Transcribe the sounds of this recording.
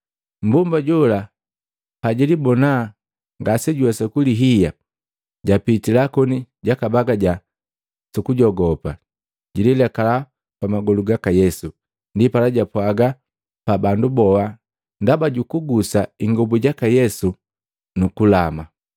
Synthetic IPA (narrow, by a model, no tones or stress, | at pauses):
m̩bumbaɟula | paɟilibɔna | ŋɡasɛɟuwasɛkuliɦija | ɟapitilakɔniɟakabaɡaɟa | sukuɟɔɡɔpa | ɟililɛkala | pamaɡɔluɡakajɛsu | ndipalaɟapwaɡa | pabandubɔa | ndabaɟukuɡusaiŋɡɔbuɟakajɛsu | nukulama